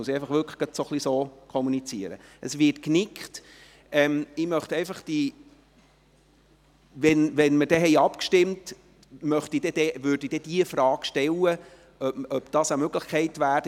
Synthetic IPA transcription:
əsiɛɪfɑχʋʏkʰə̥ɡ̥ɑtsoχlisoːkʰɔmunit͡siəɾə̰ʔəsʋɪtknɪkt | ɛmɪmœχtɛɪfɑχd̥i | ʋɛnʋɛnməd̥ɛɦɛɪɑpkʃtɪmt | mœχtid̥ɛd̥ɛʋʏːɾd̥id̥ɛd̥iəfɾɑːɡ̥ʃtɛlːə | œœb̥d̥ɑːsəmøɡləχkχɛɪtʋæː

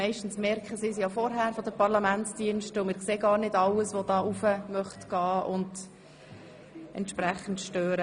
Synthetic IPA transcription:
ɛɪʃtn̩smɛɾkχəsɪːsjɑfɔɾɦæɾfɔdəpʰɑɾlɑmæntsd̥iənʃtəʊmɪɾkseːɡɑːɾnɪdɑləsʋɔdɑːufəmœχtɡ̥ɑːʔʊ̰nd | ɛ̰ntʃpɾæχən̩tʃtøːɾə

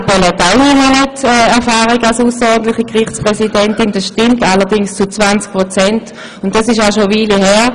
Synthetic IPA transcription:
pɔlɛtaʊninɛnɛtɛɛɐfaːʁiɡalsusəɔdn̩tlɪχəkʁɪχt͡spʁɛsidɛntɪnd̥asʃtɪmtalɐdɪŋst͡sut͡svant͡sk̚pʁot͡sɛnt | ʊntd̥asɪʃaʊʃoviːliɦɛːɐ

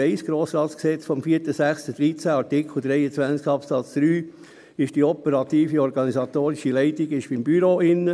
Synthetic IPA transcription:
ɛɪsɡ̥ɾoːsɾɑːtsksɛt͡sfɔmfiːəɾtəsæχstəd̥̪ɾit͡sæɑɾtɪkʰl̩ˠd̥̪ɾɛɪət͡sʋænt͡skɑpsɑt͡sd̥ɾyː | ɪʃd̥iɔpəɾɑt̪iːfiɔɾɡɑnisɑt̪oːɾiʃilɛɪtiɡɪʃbɪmbyɾoɪnːə

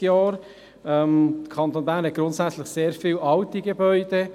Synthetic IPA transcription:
jɑːɾ | ɛməkʰɑntoːnbæːɾnhɛt̚ɡ̥ɾʊntsæt͡slɪχseːɾfiːlɑltiɡebœʏd̥e

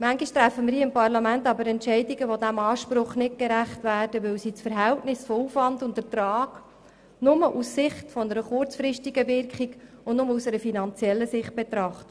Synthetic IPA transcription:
mæŋɡiʃtɾæfːəmɪɾiɪmpɑrlɑmæntɑbəɾɛntt͡ʃɛɪdiɡəʋodæmɑːʃpɾʊχnɪt̚keɾæχtvæːrd̥əʋɪwsit͡sfəɾɦɛltnɪsfɔufvɑndʊntətɾɑːk | nʊməʔusːɪχtfɔnəɾəχʊrt͡sfɾɪstiɡəvɪrkχikʊndnʊməusɛɾəfinɑnt͡sjɛlːəsɪχt̚b̥ɛt̪ɾɑχtə̥

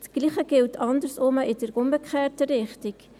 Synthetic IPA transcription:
tɡ̥liːχəɡ̥ɪltʰɑndəɾsʊməʔɪdəɾʔʊmbəkʰχɛːtəɾɪχtɪk

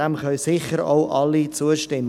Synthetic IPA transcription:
ɛmχœlsɪχəɾoʊʔɑlːit͡suəʃtɪmː

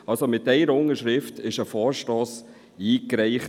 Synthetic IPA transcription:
ɑlsomɪt̚dɛɪɾəʊŋəɾʃɾɪftɪʃəfɔːɾʃtɔːs | iːkɾɛɪχ

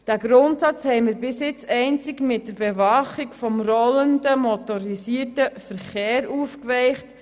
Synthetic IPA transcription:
d̥æɡɾʊntsɑt͡shɛɪmɪɾbɪsjɪt͡sɛɪnt͡sɪkmɪt̚d̥əɾbevɑχikfɔmrɔləndəmɔtɔɾisiːəɾtəfəɾχeːɾuːfkvɛɪχt

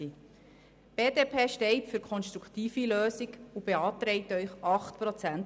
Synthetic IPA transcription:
i | b̥eːdeːpʰeːʃtɛɪtfyɾkʰɔnʃt̪ɾukʰt̪iːfiløːsiɡubeɑːtɾɛɪtœʏχɑχt̪pɾɔt͡sænt

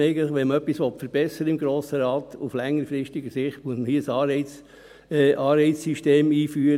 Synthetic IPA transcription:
ɛɪɡən̩tləɪχʋɛnməœpːisʋɔtfəɾb̥ɛsəɾəɪmɡɾoːsəɾɑːt̪uflɛŋːəɾfɾɪstiɡəsɪχtmuəsməhiːəsɑːɪ | ʔɑːɾeɪsːyʃteːmiːfyːəɾ

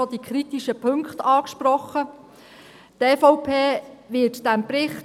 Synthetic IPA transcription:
ɔd̥̪ikχɾit̪iʃəpʰɵŋkχtɑːkʃpɾɔχə | tɛfɔʊpʰeːʋɪtd̥æmpɾɪχt

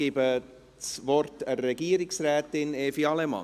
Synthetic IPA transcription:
ibə | svɔrtərɛɡ̥iːɾɪksrɛːt̪ɪneːfiɑlɛmɑ̰

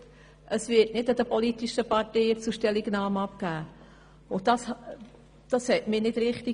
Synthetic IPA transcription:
ʔəsvɪtnɪdɑd̥̪əpɔlitiʃəpɑteɪət͡suʃtɛliɡnɑːmɑpkæː | ʊd̥ɑs | d̥ɑshɛtmɪːnɪd̥ɾɪχti

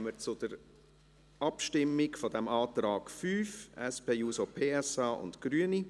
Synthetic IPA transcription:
mət͡sʊd̥əɾ | ɑpʃtɪmːɪkfɔdɛmɑːt̪ɾɑːɡ̥fyːfɛspeːjuːsopʰeːɛsɑːʔʊ̰ntɡ̥ɾyəni

